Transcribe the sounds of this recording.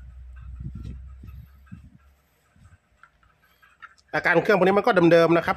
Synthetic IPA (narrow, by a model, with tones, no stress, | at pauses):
ʔaː˧kaː˧nkʰɯ˥˩ŋkʰːni˦˥m˧kɔː˥˩a˧mdɤː˧mna˦˥kʰɾa˦˥p